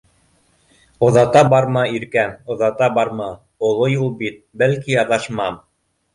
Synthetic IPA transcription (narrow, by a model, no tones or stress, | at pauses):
ŏðɑt̪ɑbɑɾmɑiɾkæmŏðɑt̪ɑbɑɾmɑ | ŏlˠojulˠbit̪̚bælkijɑðɑʃmɑm